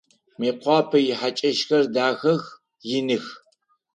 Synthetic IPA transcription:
meːqʷɑːpʰɐjɪħat͡ʃʼɐʃxɐrdaːxɐx | jɪnɨx

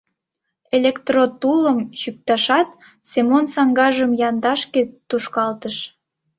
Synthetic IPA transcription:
elʲekt̪rot̪uləmɕyk̚t̪ɑʃɑt̪ | semonsɑŋɡɑʒəmjɑnd̪ɑʃket̪uʃkɑlt̪əʃ

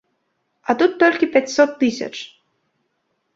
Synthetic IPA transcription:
at̪ut̪ːɔlʲkʲipʲat͡sʲsɔt̪ːɨsʲɐ̰t͡ʂ

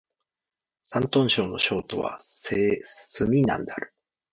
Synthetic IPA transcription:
sãnt̪õ̞ɰ̃ɕo̞ːno̞ɕo̞ːt̪o̞βa̰sesɨmʲinã̰nd̪eaɾɯ̟̥

